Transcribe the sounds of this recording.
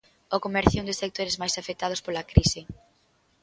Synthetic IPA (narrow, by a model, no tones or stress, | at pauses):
okomɛɾθjond̪ɪsek̚t̪oɾezmajsafek̚t̪að̞ʊspolakɾisɪ